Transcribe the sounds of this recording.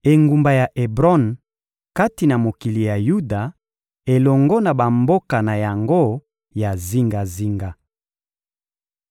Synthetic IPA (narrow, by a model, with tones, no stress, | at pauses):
e˨ŋɡu˨mba˨ja˨ʔe˨bʁɔ˦n | ka˦ti˨na˨mo˨ki˨li˨ja˨ju˦da˨ | e˨lɔ˨ŋɡɔ˦na˨ba˨mbo˦ka˨na˨ja˨ŋɡo˦ | ja˨zi˦ŋɡa˨zi˦ŋɡa˦